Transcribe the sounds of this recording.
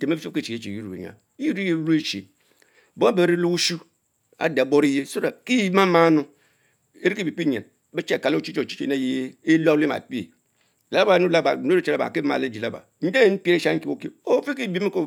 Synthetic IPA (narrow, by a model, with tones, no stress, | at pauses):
te˨me˦bi˦fo˦ke˦t͡ʃi˨e˦˨t͡ʃe˨ju˦ɾu˨ḛ˨ɲa̰˨ | i˦i˦ɾi˦je˦bɾu˦e˦t͡ʃḛ˨ | bo˦a˦be˨˦ɾi˦lu˦ku˦ʃu˦ | a̰˨da˨bo˦ɾi˦je˦so˦ɾa˨ki˦ma˦ma˦nu˦ | e˦ɾi˦ki˦bi˨k͡pi˦ɲḛ˨n | be˦t͡ʃe˦˨ka˨lo˦˨t͡ʃi˦t͡ʃo˦˨t͡ʃi̥˦t͡ʃe˦ne˦je˦e˦lo˦li˦ma̰˨pi˦ḛ˨ | la˦la˦ba˨˦˨nu˦la˦ba˨n˦e˨la˦ba̰˨ki˦ma̰˨le˦˨d͡ʒi˨la˦ba̰˨n̩˦de˦m̩˦pi˦e˦ʃa˦ki˦o˦kḛ˦o˦fi˦ki˦˨bi˦mi˦ko˦